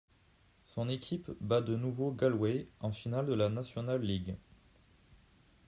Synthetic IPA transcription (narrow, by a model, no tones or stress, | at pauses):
sɔ̃nekʲʰipbad̪ənuvoɡalweɑ̃finald̪əlanasjɔnalːiɡ